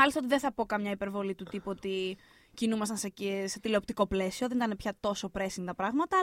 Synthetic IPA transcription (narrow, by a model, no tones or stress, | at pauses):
ɐlist̪ɐot̪iðenθɐpo̞kɐmɲɐipe̞ɾvo̞lit̪ut̪ipuot̪i | cinumɐst̪ɐnseeset̪ileop̚t̪iko̞ple̞sio̞ðe̞nit̪ɐnepçɐt̪o̞so̞pɾe̞siŋt̪ɐpɾɐɣmɐt̪ɐ